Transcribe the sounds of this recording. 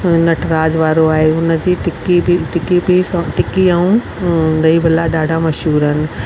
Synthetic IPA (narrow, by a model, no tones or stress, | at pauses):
nɐʈʰɾaːd͡ʒʋaːɾoaːɦeʊnəd͡ʑiːʈɪkibiʈɪkibisʈɪkiaːũ | d̪ɐibʱɐlaɗaːɖʱamɐʃuːɾənɪ̆